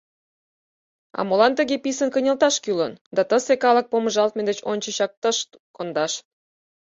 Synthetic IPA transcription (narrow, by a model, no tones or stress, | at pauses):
ɑ̰molɑnt̪ə̆ɣepisənkənʲəlt̪ɑʃkylənd̪ɑt̪əsekɑlək̚poməʒɑlt̪̚med̪et͡ɕonʲt͡ɕə̆ɕɑk̚t̪əʃ | kond̪ɑʃ